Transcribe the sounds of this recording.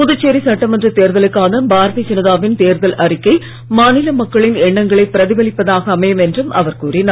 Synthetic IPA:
pʊðɯt͡ʃːeɾisɐʈːɐmɐndrɐt̪eːɾðɐlɯkːaːnɐbaːɾɐðit͡ʃɪnɐðaːʋɪnt̪eːɾðɐlʔɐɾɪkːɐɪ | maːnɪlɐmɐkːɐɭɪnɛɳːɐŋɡɐɭɐɪpːɪɾɐðɪbɐlɪpːɐðaːɣɐːmɐjɐmɛndrɯmʔɐ̰ʋɐɾkuːrɪnɐ

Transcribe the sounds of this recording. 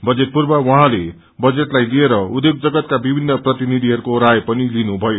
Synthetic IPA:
bʌd͡zeʈ̚purbʌwʌɦãle | bʌd͡zeʈlajlieɾʌud̪joɡd͡zʌɡʌt̪̚kabibʱinːʌprʌt̪inid̪ʱiɦʌɾukoɾajpʌnilinubʱʌjo

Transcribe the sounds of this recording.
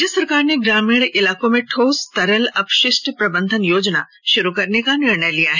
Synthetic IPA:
d͡ʒəsɐɾkaːɾneɡɾaːmiːɽ̃ɪlaːkõmẽʈʰoːst̪ɐɾəlɐpʃɪsʈpɾɐbə̃nd̪ʱənjoːd͡ʑna̰ | ʃʊɾukɐɾnekanɪɾɽ̃əjlijaɦɛː

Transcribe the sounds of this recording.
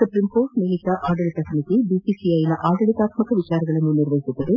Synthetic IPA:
supɾimkoːʈniɦit̪ːaʔaːɖɐɭit̪ːɐsɐmit̪ibiːpisijɐjnɐʔaːlɾɐɽit̪aːt̪mɐkɐʋɪt͡ʃaːɾɐɣɐɭɐnunɪɾʋɐɦɪsɪt̪ːɐðɯ

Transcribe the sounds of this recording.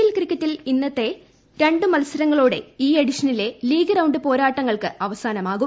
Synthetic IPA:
ilkrikːɐtːilinːɐt̪ːe̞ | ɾe̞ɳɖɨmɐlɐsɐɾɐŋːɐɭoːɽe̞̰iːeɽiʂɐnile̞liːɡrɐwɳɖɨpo̞ːɾaːʈːɐŋːɐɭkɨɐʋɐsaːnɐmaːɣu

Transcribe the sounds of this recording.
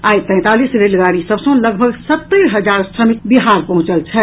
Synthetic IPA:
ajt̪ɛ̃ːt̪alisɾelɡaɾisəbsə̃ləɡbʱəɡsət̪ːəɾɦəd͡ʒaɾsɾəmikbiɦaɾpə̃ɦʊ̃t͡ʃəlt͡ʃʰɛ

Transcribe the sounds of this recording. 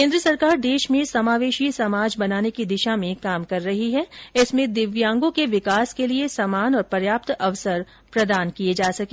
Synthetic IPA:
kkẽːnd̪ɾəsɐɾkaːɾd̪eːʃmẽsɐmaːʋeːʃisɐmaːd͡ʒbɐnaːnekid̪ɪʃamẽkaːmkɐɾːɐɦiɦɛɪsmẽd̪ɪʋjãːŋɡõkeʋɪkaːskeliesɐmaːnɔːɾpɐɾjaːp̚t̪ɐʋsəɾ | pɾɐd̪aːnkied͡ʒaːsɐke

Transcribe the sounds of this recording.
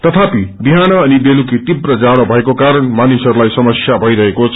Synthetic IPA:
t̪ʌt̪ʰapibiɦanʌːnibelukit̪ibrʌd͡zaɽʌbʱʌekokaɾʌnmanisʌɾulajsʌmʌsjabʱʌiɾʌɦekot͡sʰ

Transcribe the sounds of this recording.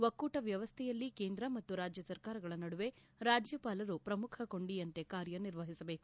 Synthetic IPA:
ʋɐkːuːʈɐʋjɐʋɐst̪ʰɛjɐlːike̞ːnd̪ɾɐmɐt̪ːuɾaːd͡ʒjɐsɐɾkaːɾɐɡɐɭɐnɐɽuʋe̞ | ɾaːd͡ʒjɐpaːlɐɾupɾɐmukʰɐko̞ɳɖijɐnt̪e̞kaːɾjɐniɾʋɐɦisɐbe̞ːku̥

